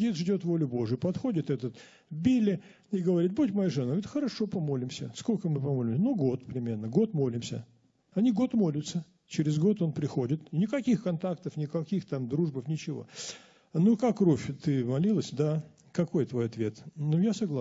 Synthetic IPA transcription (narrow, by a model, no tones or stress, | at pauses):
it̪ʐdʲo̞t̪vo̞lʲʊbo̞ʐɨjʊpɐt̪xo̞dʲɪt̪ɛt̪ət̪ | vbʲilʲːɪ | ɪɡəvɐɾʲit̪̚butʲmɐjaʐɨnavt̪xəɾɐʂo̞pɐmo̞lʲɪmsʲəsko̞lʲkəmɨpɐmo̞lʲɪmsʲənoɡo̞t̪pɾʲɪmʲe̞rnəɡo̞t̪mo̞lʲɪmsʲə̰ | ɐnʲiɡo̞t̪mo̞lʲʊt̪sə | t͡ɕɪɾʲɪzɡo̞t̪o̞npɾʲɪxo̞dʲɪt̪nʲɪkɐkʲixkɐnt̪akt̪əfnʲɪkɐkʲixt̪amd̪ɾuʐbəfnʲɪt͡ɕɪvo̰ | nukakːrofʲt̪ɨmɐlʲilˠəsʲd̪a | kɐko̞jt̪vo̞jɐt̪vʲe̞t̪nujasɐɡlˠa